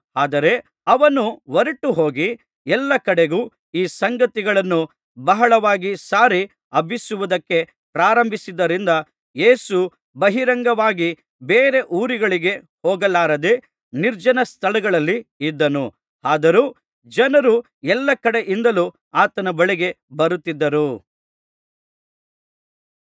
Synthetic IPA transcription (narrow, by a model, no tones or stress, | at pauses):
aːd̪ɐɾe̞ | ɐʋɐnuʋɐɾiʈːuɦoːɡi | ɛlːɐkɐɽe̞ɡuː | iːsɐŋɡɐt̪iɡɐɭɐnːu | bɐɦɐɭɐʋaːɡisaːɾi | ɐbʱisuʋud̪ɐkːe̞ | pɾaːɾɐmbʱisid̪ːɐɾind̪ɐ | jeːsu | bɐɦiɾɐŋɡɐʋaːɡi | beːɾe̞ʔuːɾiɡɐɭiɡe̞ | hɔːɡɐlːaːɾɐd̪e̞ | niɾd͡ʒɐnɐst̪ʰɐɭɐɡɐɭɐlːiid̪ːɐnu | aːd̪ɐɾu | d͡ʒɐnɐɾu | ɛlːɐkɐɽe̞ʔind̪ɐlu | aːt̪ɐnɐbɐɭiɡe̞ | bɐɾut̪ːid̪ːɐɾu